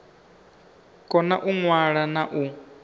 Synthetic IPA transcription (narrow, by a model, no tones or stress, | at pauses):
kʼɔna̰ʔuŋwaɺanaʔu